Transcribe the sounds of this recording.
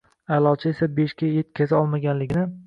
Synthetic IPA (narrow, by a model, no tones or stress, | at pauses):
alˠɒt͡ʃʰɪesabeʃkʲajet̪̚kʲʰazaɒlˠmaɡʲanlɪɡʲɪnɪ